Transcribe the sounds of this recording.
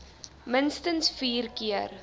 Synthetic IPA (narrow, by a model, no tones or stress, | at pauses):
mənstənsfiːrkiər